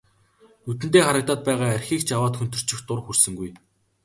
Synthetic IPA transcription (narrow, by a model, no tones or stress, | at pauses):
nut̪ɘ̆nt̪eːχaɾə̆k̚t̪aːt̪̚pæːʁaːærʲxiːkt͡ɕawaːt̪xɵnt̪ɵ̆r̥t͡ɕɪ̆xt̪ʊrxursɵ̆ŋɡuj